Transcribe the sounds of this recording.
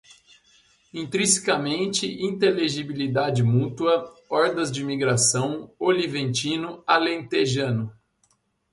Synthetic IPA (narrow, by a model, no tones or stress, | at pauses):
ĩnt̪ɾĩsi̥kɐmẽnt͡ʃɪʔĩnt̪eleʒibilid̪ad͡ʒɪmut̪uɐɔɾd̪ɐzd͡ʒɪmiɡɾasɐ̃w̃olivẽnt͡ʃĩnʊalẽt̪eʒɐ̃nʊ